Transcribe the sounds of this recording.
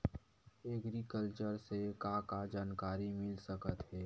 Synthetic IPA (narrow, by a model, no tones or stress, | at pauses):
eɡɾikəlt͡ʃəɾsekakad͡ʒaːnkaːɾimɪlsɐkət̪ɦɛː